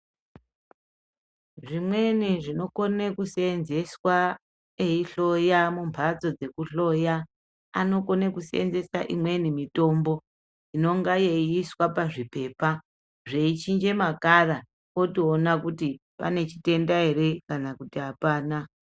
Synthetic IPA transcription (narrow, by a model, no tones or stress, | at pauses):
ʐimwe̞niʐino̞konekusnze̞swa | eiɬo̞jamumbʱad͡zo̞d͡ze̞kuɬo̞ja | ano̞ko̞nekusḛnze̞saʔimwe̞nimito̞mbo̞ | ino̞ŋɡajeiswapaʐipe̞ːpa | ʐe̞it͡ʃind͡ʒe̞makara | o̞tionakuti | pa̰ne̞t͡ʃite̞ndaɦe̞ɾe̞kanakutiɦapaːna